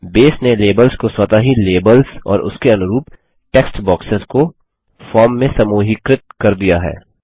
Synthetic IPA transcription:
beːsneleːbəlzkoswɐt̪aɦileːbəlzɔ̰ːɾʊ̰skeɐnʊɾuːp | ʈɛːksʈbɔːksɪzko | fɔːɾmːẽsɐmuːɦɪkɾɪt̪̚kɐɾd̪ijaɦɛ̰ː

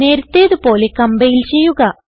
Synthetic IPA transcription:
ne̞ːɾut̪ːeːðupo̞ːlekɐmbɐjilt͡ɕe̞jːuɣɐ

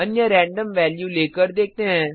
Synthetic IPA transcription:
ənjãɾɛ̃ːɳɖəmʋɛːljuːleːkəɾd̪eːk̚ʰt̪eɦɛ̃ː

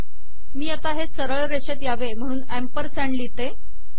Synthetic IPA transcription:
miːat̪aɦesəɾəɭɾeɕet̪jaʋem̤əɽ̃uːnæmpəɾsɛɳɖlit̪e

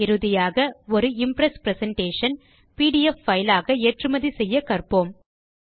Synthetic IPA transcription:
ɪɾɯðɪjaːɣɐɔɾɯɪmpɾɐspɾɛsɐɳʈeːʂɐn | piːɽɪjɛfːɐɪlaːɣɐeːʈrɯmɐðisɛjːɐkɐrpoːm

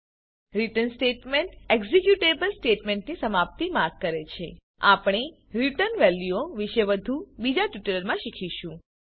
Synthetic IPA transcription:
ɾiʈənsʈeʈmeɳʈeɡzekjuʈebəlsʈeʈmeɳʈnisəmap̚t̪imaɾɡ̚kːəɾet͡ʃʰe | apɽ̃e | ɾiʈənʋɛljuoʋiʃeʋəd̪ʱubid͡ʒaʈiʈələɾmãʃikʰiʃũ

